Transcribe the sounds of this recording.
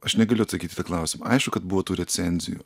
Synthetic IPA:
ɐʃnʲɛɡɐlʲʊɐt̪sɐkʲiːt̪ʲɪt̪ɑklˠɑˑʊsʲɪmɐ̰ɐɪʃkʊkɐt̪̚bʊʋoːt̪uːɾʲɛt̪sʲɛnʲzʲɪ̰jṵː

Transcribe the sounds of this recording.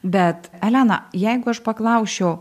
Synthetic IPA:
bʲɛt̪ælʲænɐ̰jɛɪɡʊɐʃpɐklˠɐʊʃʲɛʊ

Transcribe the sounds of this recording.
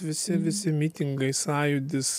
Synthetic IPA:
ʋʲɪsʲɪʋʲɪsʲɪmʲiːt̪ʲɪŋɡɐɪsɑːjʊd̪ʲɪs

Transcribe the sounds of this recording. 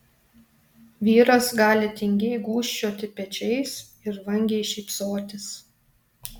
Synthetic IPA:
ʋʲiːɾɐsɡɑːlʲɪt̪ʲɪŋʲɡʲɛɪɡuːʃʲt͡ʃʲoːt̪ʲɪpʲɛt͡ʃʲɛɪs | ɪɾʋɐŋʲɡʲeɪʃʲɛɪpsoːt̪ʲɪs

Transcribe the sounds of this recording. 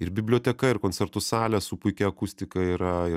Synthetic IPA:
ɪɾbʲɪbʲlʲoːt̪ʲɛkɐɪɾkoːnʲt͡s̪ʲɛɾt̪ʊsɑːlʲɛsʊpʊɪkʲɛɐkʊsʲt̪ʲɪkɐiɾɐɪ

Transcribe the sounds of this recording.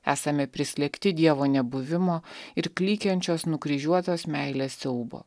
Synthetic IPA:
æːsɐmʲɛpʲɾʲɪsʲlʲɛkʲt̪ʲɪd̪ʲiɛʋoːnʲɛbʊʋʲɪmoːɪɾklʲiːkʲɛnʲt͡ʃʲoːsnʊkɾʲiːʒʲuɔt̪oːsmʲæɪlʲesːʲɛʊbo̰ː

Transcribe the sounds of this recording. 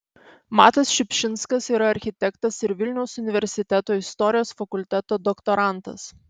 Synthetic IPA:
mɑːt̪ɐsʃʲɪpʲʃʲɪnˑskɐsiːɾɐɐɾʲxʲɪt̪ʲɛkt̪ɐsɪɾʋʲɪlʲnʲɛʊsʊnʲɪʋʲɛɾʲsʲɪt̪ʲɛt̪oːɪst̪ɔɾʲɪjoːsfɐkʊlʲt̪ʲɛt̪oːd̪ɔkt̪ɔɾɑˑnt̪ɐ̰s

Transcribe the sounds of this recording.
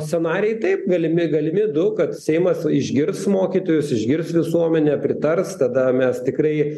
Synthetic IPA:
sʲt̪ʲɛnɑːɾʲɛɪt̪ɐɪp̚ɡɐlʲɪmʲɪɡɐlʲɪmʲɪd̪ʊkɐt̪sʲɛɪmɐsɪʒʲɡʲɪrsmoːkʲiːt̪oːjʊsɪʒʲɡʲɪrsʋʲɪsuɔmʲɛnʲɛpʲɾʲɪt̪ɐrst̪ɐd̪ɐmʲɛst̪ʲɪkrɐɪ

